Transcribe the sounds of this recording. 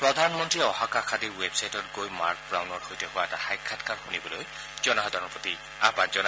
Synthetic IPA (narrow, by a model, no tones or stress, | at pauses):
pɹɔdʱanmɔntɹiɔhakakʰadiɹwebsajtɔtɡojma̰ɹk̚bɹawnɔɹhojtɛhʊwaɛtaxajkʰːatkaɹxunibɔloj | z̥ɔnaɦɔdʱɔɹɔpɔti | a̰pazɔn